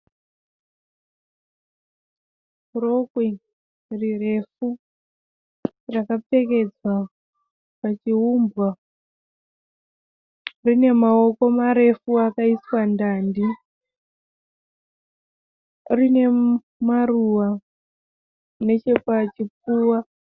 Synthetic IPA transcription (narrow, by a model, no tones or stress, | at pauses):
rokwi | rire̞fu | rakap͡fe̞ke̞d͡zwa | pat͡ʃiɦumbwa | rine̞mao̞ko̞maɾe̞fuakaiswandaːndi | rine̞ | maruwa | ne̞t͡ʃe̞pat͡ʃip͡fuːwa